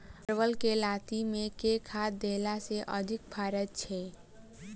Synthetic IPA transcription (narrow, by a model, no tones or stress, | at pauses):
ɾwəlkelaːt̪imẽkekʰaːd̪eːlaseʔə̰d̪ʱɪk̚bʰʱaːɾət̪̚t͡ʃʰeː